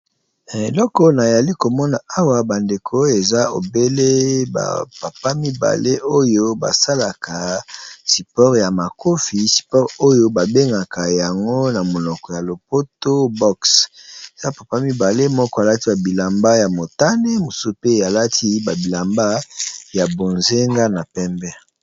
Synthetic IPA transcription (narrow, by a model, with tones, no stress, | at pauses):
e˨lɔ˦kɔ˦na˨ja˨li˦ko˨mɔ˦na˨a˦wa˨ba˨nde˨kʰo˦e˨za˦o̰˨be˦le˦ba̰˨pa˨pa˦mi˦ba̰˨le˦ʔo˦jo˦ba̰˨sa˦la˨kʰa˨si˨pɔ˦ʁja˨ma˨ko˦fi˨si̥˨pɔ˦ʁo˦jo˦ba˨be˦ŋɡa˨ka˨ja˨ŋɡo˦na˨mo˨nɔ˨kɔ˨ja˨lo˨p̚o˦to˦bɔ˦kse˨za˦pa˨pa˦mi˦ba˨le˦mɔ˦kɔ˦a˨la˦ti˦ba˨bi˨la˨mba˦ja˨mo˨ta˦ne˦mo˨su˦pe˦a˨la˦tʰi˦ba˨bi˨la˨mba˦ja˨bo˨nze˦ŋɡa˦na˨pɛ˦mbɛ˦